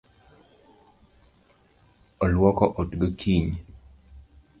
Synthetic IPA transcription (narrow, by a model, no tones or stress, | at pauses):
ɔlwɔkɔʔotɡəkʰiɲ